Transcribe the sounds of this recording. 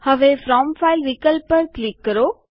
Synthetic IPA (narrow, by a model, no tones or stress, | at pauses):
həʋefɾɔːmfaːɪlʋikəlpːəɾklikːəɾoː